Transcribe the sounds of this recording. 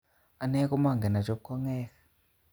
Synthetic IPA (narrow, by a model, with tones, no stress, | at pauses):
a˨nɛ˦k̬ʼu˦ma˦˨ŋɡɛ˨na˨t͡ʃɔ˦k̚kʰɔ˦ŋɛː˦kḁ